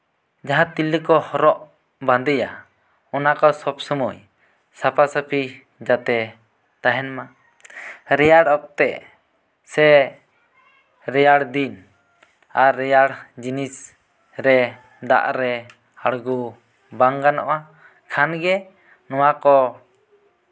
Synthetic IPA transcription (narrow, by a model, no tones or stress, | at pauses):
d͡ʒaɦãt̪ilikɔhɔɾɔʔ | bãnd̪ɛja | ɔnakɔsɔbsɔmuj | sapʰasəpʰi | d͡ʒat̪ɛ | t̪aɦɛnma | ɾɛjaɽɔp̚t̪ɛʔ | sɛ | ɾɛjaɽd̪in | aɾːɛjaɽd͡ʒinis | ɾɛ | d̪a̰ʔɾɛ | aɽɡu | baŋɡanɔ̰ʔa | kʰanɡɛ | nɔwakɔ